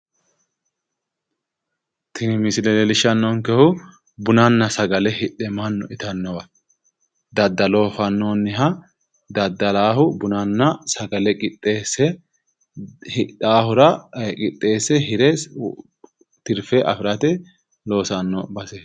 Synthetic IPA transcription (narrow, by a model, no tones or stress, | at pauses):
t̪ʰɪnɪmɪsɪlɛlɛlɪʃɐnːɔːŋkɛhʊ | bʊnɐnːɐsɐɡɐlɛhɪᶑːɛmɐnːɔʔɪt̪ɐnːɔwɐ | d̪ɐd̪ːɐlo̞ːfɐnːoːnːɪɦɐ | d̪ɐd̪ːɐlaːhʊbʊnɐnːɐsɐɡɐlɛkʼɪt̪ʼːeːsːɛ | hɪᶑaːhʊɾɐkʼɪt̪ʼːe̞ːsɛɦɪɾɛ | t̪ɪɾfɛʔɐ̰fɪɾɐt̪ɛ | lo̞ːsɐnːɔbɐseː